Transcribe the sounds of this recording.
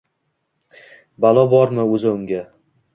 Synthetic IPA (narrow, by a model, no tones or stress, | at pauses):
balˠɒbɒɾmɪɵzɪʊŋɡʲa